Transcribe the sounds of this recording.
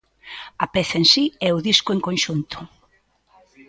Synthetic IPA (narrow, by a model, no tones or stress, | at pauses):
ɐpɛθaensiɛʊðiskʊeŋkonʃunt̪ʊ̥